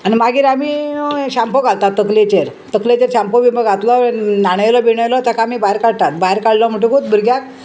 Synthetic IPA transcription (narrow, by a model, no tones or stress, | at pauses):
animaɡiːɾamiɕampoɡʱalt̪at̪ːəklet͡ɕeɾ | t̪əklet͡ɕeɾɕampoʋiməɡʱat̪lɔnaɽ̃əjlɔbiɳəjlɔt̪akaːmibaɦeɾkaɽ̚t̪at̪baɦeɾkaɽlɔm̤əʈ̬ũkot̪̚bəɾɡjak̚